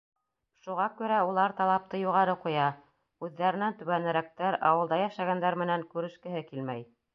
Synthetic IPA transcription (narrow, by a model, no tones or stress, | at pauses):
ʃuʁɑkʉɾæulˠɑɾt̪ɑlˠɑp̚t̪ɤjuʁɑɾɤqujɑ | ʉðːæɾɘ̆nænt̪ɵ̆βænɘ̆ɾæk̚t̪æɾɑ̰wɤ̆lˠd̪ɑjæʃæɡænd̪æɾmɘ̆næŋkʉɾɘ̆ʃkɘ̆ɦɘkilmæj